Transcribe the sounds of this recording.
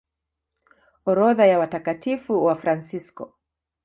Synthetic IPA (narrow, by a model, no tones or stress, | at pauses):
ɔɾɔðajawatakatifuwafɾansiskɔ̰